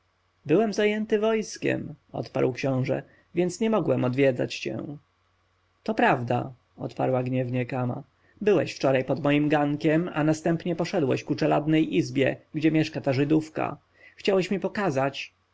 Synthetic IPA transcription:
bɘwɛmzajɛnt̪ɘvɔjskʲɛ̰mɔ̰t̪pa̰ɾwkɕɔ̃w̃ʐɛ̰ | vʲjɛnt̪sɲɛmɔɡwɛmɔd̪vʲjɛd̪za̰t͡ɕt͡ɕɛ̰ | t̪ɔpɾavd̪a̰ | ɔ̰t̪pa̰ɾwaɡɲɛvɲɛkama̰ | bɘwɛɕft͡ʂɔɾajpɔd̪mɔjimɡaŋkʲɛma̰nast̪ɛmpɲɛpɔʂɛd̪wɛ̰ɕkut͡ʂɛlad̪nɛjʔizbʲjɛɡd͡ʑɛmʲjɛʂkat̪aʐɘd̪ufka̰ | xt͡ɕawɛɕmʲipɔkazat͡ɕ

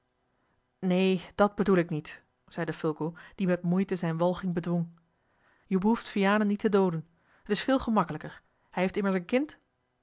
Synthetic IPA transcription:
neːd̥ɑd̚bədulɪknit | z̥ɛjdəfʏlˠɡod̥imɛtmujtəzɛjnʋɑlˠχɪŋbədʋɔŋ | jəbəɦuftfijaːnənitədowdən | ɦətɪsfɪːlˠχəmɑkələkəɹ | hɛjɦeftɪməɹsənkɪnt

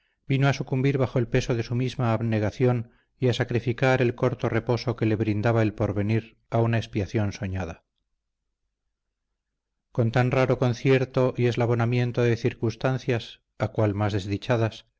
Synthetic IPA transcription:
binoasukumbiɾβaxoelpe̞so̞ðe̞sumizmaːβne̞ɣ̞aθjo̞n | iasakɾifikaɾe̞lko̞ɾt̪o̞re̞po̞so̞ke̞le̞βɾind̪aβae̞lpo̞ɾβe̞niɾ | aunaespiaθjo̞nso̞ɲaða | ko̞nt̪anraɾo̞ko̞nθje̞ɾt̪o̞ʔie̞zlaβo̞namje̞nt̪o̞ðe̞θiɾkunst̪an̟θjas | akwalmazðe̞zðit͡ʃaðas

